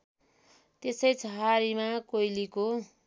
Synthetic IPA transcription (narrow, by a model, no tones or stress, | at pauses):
t̪esʌjt͡sʰʌɦaɾimakojliko